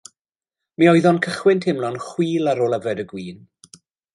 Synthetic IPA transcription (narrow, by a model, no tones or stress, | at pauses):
miːɔɨðɔnkʰəχwɪntʰhɪmlˠɔnχwiːlˠaɾoːlˠəvɛdəɡwiːn